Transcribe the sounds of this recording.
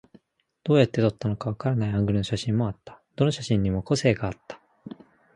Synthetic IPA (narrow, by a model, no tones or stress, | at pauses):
d̪̥o̞ːjat̪ːe̞t̪o̞t̪ːano̞kaβ̞akaɾanaiãŋɡɯ̟ɾɯ̟noɕaɕĩmːo̞at̪ːḁd̪̥o̞no̞ɕaɕĩɲ̟ːimo̞ko̞se̞ːɡaːt̪ːḁ